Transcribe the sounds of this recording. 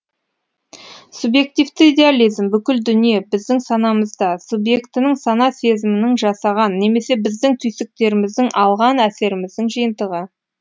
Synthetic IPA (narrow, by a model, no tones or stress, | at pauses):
subje̞k̚t̪ijvt̪ɪid̪ʲe̞alʲizmbʏkʲɪld̪ʏnije̞bɪzd̪ɪŋsɑnɑməzd̪ɑsubje̞kt̪ɪnɪŋsɑnɑsezɪmɪnɪŋʒɑsɑʁɑnːe̞me̞se̞bɪzd̪ɪŋt̪ʰʏjsɪk̚t̪e̞ɾɪmɪzd̪ɪŋʔɑlˠʁɑnæse̞ɾɪmɪzd̪ɪŋʒijənt̪əʁə